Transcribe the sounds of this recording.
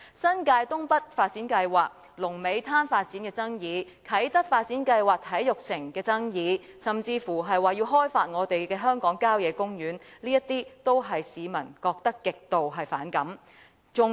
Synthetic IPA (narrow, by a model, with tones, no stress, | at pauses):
sɐ˥nkaː˧jt̪ʊ˥ŋpɐ˥t̚faː˧t̚t͡siː˨˥nkɐ˧jwaː˨k̚ | lʊ˨˩ŋme˨˧jt̪ʰaː˥nfaː˧t̚t͡siː˨˥nkɛː˧t͡sɐ˥ŋjiː˨˧ | kʰɐ˨˥jt̪ɐ˥k̚faː˧t̚t͡siː˨˥nkɐ˧jwaː˨k̚t̪ʰɐ˨˥jjʊ˨k̚sɪ˨˩ŋkɛː˧t͡sɐ˥ŋjiː˨˧ | sɐ˨mt͡siː˧fuː˨˩ɦɐ˨jwaː˨jiː˧wɦɔː˥jfaː˧t̚ŋɔː˨˧t̪e˨jkɛː˧ɦœː˥ŋkɔː˨˥ŋkaː˥wjɛː˨˧kʊ˥ŋjyː˨˥nliː˥jɐ˥t̪̚iː˥t̪o˥wɦɐ˨jsiː˨˧mɐ̰˨˩nkɔː˧k̚t̪ɐ˥kːɪ˨k̚t̪o˨wɦɐ˨jfa̰ː˨˥nkɐ˨˥m | t͡sʊ˨